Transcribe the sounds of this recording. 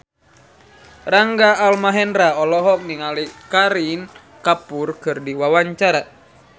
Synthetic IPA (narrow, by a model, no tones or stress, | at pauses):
raŋɡaːlmaɦɛnɾaɔlɔɦɔk̚niŋalikaɾin | kapurkɨrdiwawaɲt͡ʃaɾa